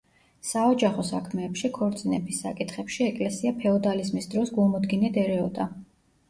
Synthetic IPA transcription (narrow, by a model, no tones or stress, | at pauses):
saɔd͡ʒaχɔsakʰmɛːpʃikʰɔɾt̪sʼinɛbʰisːa̰kʼit̪ʰχɛpʃiɛkʼlɛsiapʰɛɔd̪alizmisd̪ɾɔsɡumɔd̪ɡinɛd̪ɛɾɛɔd̪ʼa